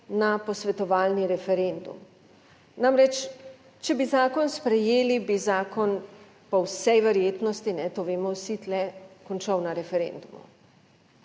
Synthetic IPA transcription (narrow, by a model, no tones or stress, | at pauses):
napɔsʋɛt̪ɔʋaːlniɾɛfɛɾend̪ṵm | namɾɛt͡ʃ | t͡ʃɛbizaːkɔnspɾɛjeːlibizaːkɔn | pɔwsɛjʋɛɾjeːt̪nɔst̪inɛt̪oʋeːmɔwsit̪lɛkɔnt͡ʃɐwnaɾɛfɛɾḛnd̪umṵ